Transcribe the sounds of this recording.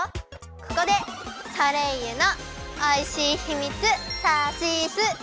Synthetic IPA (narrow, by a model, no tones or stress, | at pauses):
kɯ̟̥kod̪e̞saɾe̞jɯnoaiɕiçimʲit͡sɨsaɕisɨ